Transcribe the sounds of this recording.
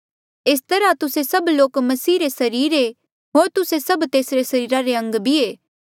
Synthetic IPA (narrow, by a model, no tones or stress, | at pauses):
est̪ɐɾat̪ʊsesɐbloːkmɐsiːɾesɐɾiːɾe | ɦoːɾt̪ʊsesɐbt̪eːsɾesɐɾiːɾaɾeɐ̃ŋɡbʱieː